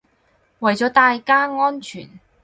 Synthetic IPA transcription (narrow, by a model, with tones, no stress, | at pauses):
wɐ˨˩jt͡sɔː˨˥t̪aː˧jkaː˥ŋɔː˥nt͡ʃʰy̰ː˨˩n